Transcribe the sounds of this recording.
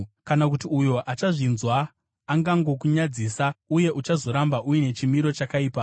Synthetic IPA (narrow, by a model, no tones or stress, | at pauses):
kanakutiujo̞ʔat͡ʃaʐinzwaː | ŋɡaŋɡo̞kuɲad͡zisauje̞ʔut͡ʃazo̞ɾambaʔujine̞t͡ʃimiɾo̞t͡ʃakaiːpa